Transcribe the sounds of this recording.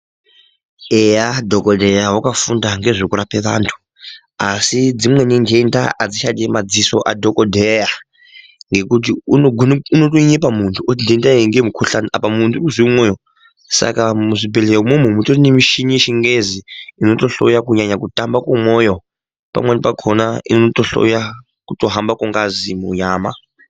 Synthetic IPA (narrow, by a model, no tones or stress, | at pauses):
ejadʱokodʱejawakafundaŋɡe̞ʐikuɾapeʋa̰ːntʰu̥ | asid͡zimwe̞nindenda̰ʔad͡ziʃademad͡ziso̞̰ʔadʱokodʱeja | ŋɡe̞kut̬iunoɡʱunːnotoiɲep̬amuntʰuutindendaŋɡemukʰuɬaniʔapamuntʰukuzimoːjo | sa̰kamuʐibɛleomum̤umutʰoinimiʃiɲiʃiŋɡeziinotoɬo̰jakuɲaɲakutʼambakumwɔjɔ | pa̰mwenipakʰonainootoɬɔ̰ja | kutoɦambakuŋɡazimuɲaːma